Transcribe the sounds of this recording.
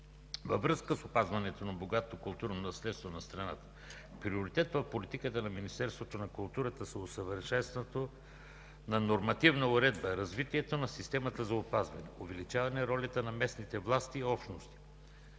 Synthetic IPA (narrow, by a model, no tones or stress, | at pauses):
vɐvɾɤskəsopazvɐnɛt̪onɐboɡat̪okʊlˠt̪uɾnonɐslɛt̪st̪vonɐst̪ɾɐnat̪ə̥ | pɾioɾit̪ɛt̪vɐfpolit̪ikət̪ənɐminist̪ɛɾst̪vot̪onɐkʊlˠt̪uɾət̪əsɛosəvəɾʃɛnst̪t̪o | nɐnoɾmɐt̪ivnɐʊɾɛd̪bəɾɐzvit̪iɛt̪onɐsist̪ɛmɐt̪əzɐopazvɐ̰nɛovɛlit͡ʃavɐnɛɾɔlʲɐt̪ənɐmɛsnit̪ɛvlˠast̪iːɔpʃnost̪i̥